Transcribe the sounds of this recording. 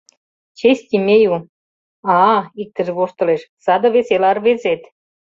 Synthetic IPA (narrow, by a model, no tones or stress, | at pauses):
t͡ɕesʲt̪ʲimʲeju | ɑik̚t̪ə̆ʒĕβoʃt̪ɤ̆leʃsɑd̪ɤ̆βeselɑrβezet̪